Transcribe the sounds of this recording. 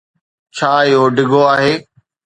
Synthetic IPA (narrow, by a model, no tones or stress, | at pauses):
t͡ɕʰaːɪɦoɖɪɡoaːɦeː